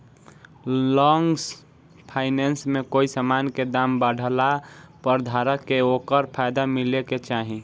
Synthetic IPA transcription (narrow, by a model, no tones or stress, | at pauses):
lɔŋɡs | pʰaɪnensmekoːisamanked̪aːmbəɽʱəlapəɾd̪ʱaːɾəkːeoːkəɾpʰaɪd̪amileket͡ʃaːɦĩ